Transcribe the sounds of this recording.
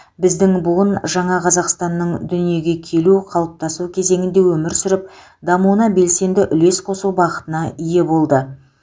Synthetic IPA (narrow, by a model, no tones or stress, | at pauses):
bɪzd̪ɪŋbʊʁənʒɑɴɑqʰɑzɑqst̪ɑnːəɴd̪ʏnije̞ɡʲe̞kʲʰe̞luqʰɑlˠəp̚t̪ɑsukʲʰe̞ze̞ŋɪnd̪e̞wɵmɪɾsʏɾɪp̚ | d̪ɑmuwənɑbe̞lse̞nd̪ɪʔʏle̞sqʰo̞suwbɑʁət̪ənɑije̞bo̞lˠd̪ə